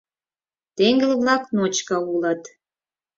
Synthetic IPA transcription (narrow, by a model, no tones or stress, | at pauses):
t̪eŋɡə̆lβlɑknot͡ɕkəulə̆t̪